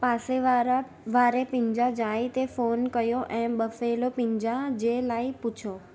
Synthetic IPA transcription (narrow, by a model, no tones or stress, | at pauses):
paseɾ | ʋaɾepĩɲd͡ʒãd͡ʒajt̪efonkəjoʔẽmɓəfelopĩɲd͡ʒãd͡ʒelaiput͡ʃʰo